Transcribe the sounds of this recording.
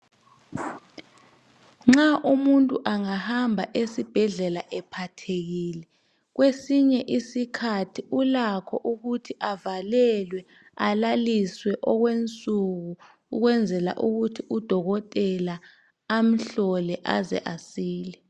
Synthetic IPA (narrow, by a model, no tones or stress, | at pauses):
ŋ͡ǁaʔumuntʼuʔaŋahambʱaʔesib̥ʱɛɮɛlaʔɛpʰatʰeɣiːlɛ | ɣwesiɲɛʔisikʰatʰiulakʰɔʔuɣutʰiʔavalɛlwɛ | alaliswɛʔɔɣwent͡sʼuɣuː | ɣwɛnd͡zʱɛla̰ʔuɣutʰiud̥ʱɔɣɔtʼɛla | am̩ɬɔlɛʔa̰zɛ̰ʔasiːlɛ